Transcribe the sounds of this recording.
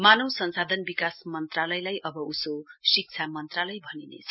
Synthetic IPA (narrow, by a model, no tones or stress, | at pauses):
manowsʌnsad̪ʱʌnbikasmʌnt̪ralʌjlajʔʌbʌusosik̚t͡sʰamʌnt̪ralʌjbʱʌninḛt͡sʰʌ